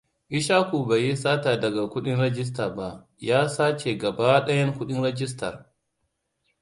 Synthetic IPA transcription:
ʔɪ˦ʃaː˦kʷuː˨ba˨ji˦saː˦taː˨dɐ˨ɡa˨kʷʊ˦ɗɪ˦nɾɛ˦d͡ʒɪ˦s̬taː˨ba˦ʔ | jaː˦saː˦t͡ʃe˨ɡɐ˨ba˦ɗɐ˦jɐ˦ŋkʷʊ˦ɗɪ˦nɾɛ˦d͡ʒɪ˦stɐ̰˨r

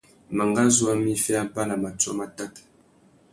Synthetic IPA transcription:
ma˨ŋɡa˦zu˦a˦mi˦fɛ˦a˦pa˦la˨ma˨t͡sɔ̰˦ma˦ta˦t

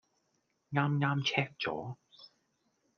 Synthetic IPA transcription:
ŋaː˥mŋaː˥mt͡sʰɛː˥k̚t͡sɔ̰ː˨˥

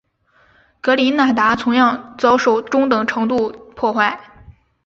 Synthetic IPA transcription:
kɤ˧˥li˧˥na˥˩t̪a˧˥t͡sʰʊ˧˥ŋjɑ˥˧ŋt͡sɑ˥ʊʂo˨˩ʊʈ͡ʂʊ˥ŋt̪ɤ˨˩ŋʈ͡ʂʰɤ˧˥ŋt̪u˥˧pʰwɔ˥˧xwa˥˩ɪ

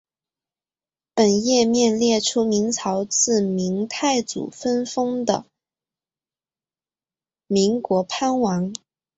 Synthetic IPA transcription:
pə˨˩njɛ˥˧mjɛ˥˧nljɛ˥˩ʈ͡ʂʰu˥mi˧˥ŋt͡sʰɑ˧˥ʊt͡sɹ̩˥˩mi˧˥ŋt̪ʰa˥˩ɪt͡sṵ˨˩fə˥nfɤ˥ŋd̪ə̰˨ | mi˧˥ŋkwɔ˧˥pʰa˥nwɑ˧˥ŋ

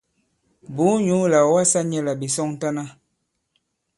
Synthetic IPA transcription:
bu˨˦ɲu˨˦la˨wa˦sa˦ɲɛ˦la˨bi˨sɔ˦ŋ˦ta˦na˦

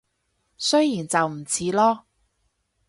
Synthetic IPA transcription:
sɵ˥ɥjiː˨˩nt͡sɐ˨wm̩˨˩t͡sʰiː˨˥lɔː˥

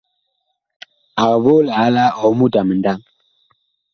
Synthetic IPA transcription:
a˨βo˦la˨˦la˦ɔ˨˦mu˦da˨mə˨n˨da˦ŋ

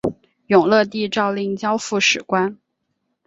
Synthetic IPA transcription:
jʊ˨˩ŋlɤ˥˧t̪i˥˧ʈ͡ʂɑ˥˧ʊli˥˩ŋt͡ɕjɑ˥ʊfu˥˩ʂɻ̩˨˩kwa˥n

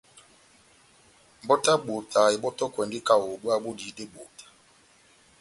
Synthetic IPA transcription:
m̩˨bɔ˦ta˦ɡ͡bo˨ta˨i˨ɓɔ˦tɔ˦kwɛ˨ndi˦ka˨o˨ɡ͡bu˦a˦ɓo˦di˨˦de˦ɡ͡bo˨tḁ˨

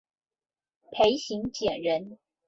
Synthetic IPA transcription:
pʰe˧˥ɪɕi˧˥ŋt͡ɕjɛ˨˩nɻə˧˥n

